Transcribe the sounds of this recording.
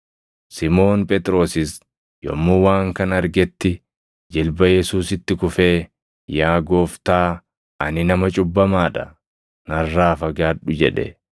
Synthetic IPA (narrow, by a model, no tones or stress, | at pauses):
sɪmo̞ːnpʼɛt̪ʼɾo̞ːsɪs | jɔ̰mːuːwaːŋkɐnɐɾɡɛt̪ːɪ | d͡ʒɪlbɐjɛsuːsɪt̪ːɪkʊfe̞ː | jaːɡo̞ːft̪aː | ɐ̰nɪnɐmɐt͡ʃʼʊbːɐmaːᶑɐ | nɐrːaːfɐɡaːᶑʊd͡ʒɛᶑɛ̰